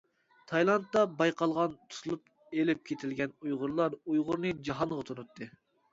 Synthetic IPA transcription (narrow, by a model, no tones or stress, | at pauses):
t̪ʰɑjlˠɑnt̪ːɑbɑjqʰɑlˠʁɑnt̪ʰu̥sʰlˠup | elɪp̚kʲʰet̪ʰɪlɡʲɛnujʁʊɾlˠɑɾujʁʊɾnɨd͡ʒɑɦɑnʁɑt̪ʰunut̪ʰːɨ